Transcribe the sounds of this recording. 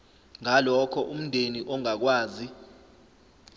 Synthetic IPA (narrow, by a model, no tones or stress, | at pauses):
ŋalɔkʰɔʔum̩ndʱeniʔɔŋak̬waːzi